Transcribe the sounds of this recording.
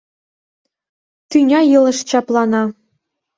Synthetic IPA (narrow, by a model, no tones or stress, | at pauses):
t̪ynʲɑjɤ̆lˠɤ̆ʂt͡ɕɑplˠɑnɑ